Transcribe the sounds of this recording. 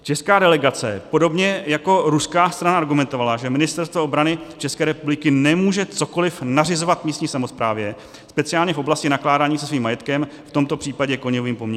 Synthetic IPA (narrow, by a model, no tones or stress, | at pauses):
t͡ʃɛskaːdɛlɛɡat͡sɛ̰po̞do̞bɲɛjako̞ɾuskaːst̪ɾanaʔaɾɡumɛnt̪o̞valaʒɛmɪnɪst̪ɛɾst̪voobɾanɪt͡ʃɛskɛːɾɛpublɪkɪnɛmuːʒɛt͡so̞ko̞lɪfnarɪzo̞vat̪vmiːst̪ɲiːsamospɾaːvjɛ | spɛt͡sɪaːlɲɛfo̞blascɪnaklaːdaːɲiːsɛsviːmːajɛt̪kɛmft̪o̞mt̪o̞pr̝̥iːpaɟɛkoɲoviːmpomɲɛ